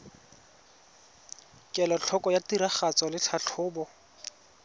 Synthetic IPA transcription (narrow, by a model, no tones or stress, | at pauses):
kʼɛlɔt͡ɬʰɔkʼɔjatiɾaχat͡sɔlɪt͡ɬʰaɬʰʊːbɔ